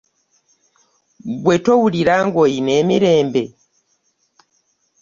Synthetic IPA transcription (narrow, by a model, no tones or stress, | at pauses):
ɡwetowuliɾaŋɡoinemiɾeːmbe